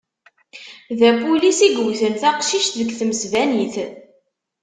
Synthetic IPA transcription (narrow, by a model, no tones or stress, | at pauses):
ðæpulisiɡəwθənθæqʃiʃt̪ðəɡθməsvæniθ